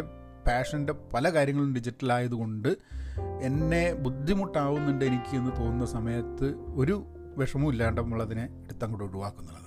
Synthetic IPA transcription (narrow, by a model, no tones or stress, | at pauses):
e | paːʂɐnde̞pɐlɐkaːɾjɐŋːɐɭunɖid͡ʑitːɐlaːjɐðuko̞ɳɖɨe̞nːe̞bud̪ʱːimuʈːaːʋunːinɖeenikʲːɨe̞nːɨt̪o̞ːnunːɐsɐmɐjɐt̪ːɨo̞ɾu | ʋeʂɐmumilːɐːɐɳɖɐmːuɭɐðineːɽut̪ːaːŋkuɽeuɽuʋaːkːunːɐɭːɐðɨ